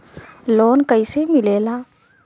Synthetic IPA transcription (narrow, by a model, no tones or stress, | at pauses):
loːnkəisemɪleːlaː